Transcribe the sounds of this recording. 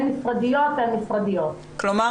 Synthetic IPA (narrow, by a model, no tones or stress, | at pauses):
nifʁad̪ijot̪amifʁad̪ijot̪ | kloma